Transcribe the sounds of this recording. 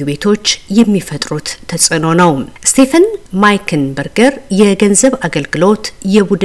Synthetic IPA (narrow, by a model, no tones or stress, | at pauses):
uβe̞t̪ʰo̞t͡ʃːjɛmːifət̪ʼɾut̪ʰːəsʼɨno̞nəwst̪ʰe̞fənmajkʰɨnbəɾɡəɾjɛɡənzəβaɡəlɡɨlo̞t̪jɛbud̪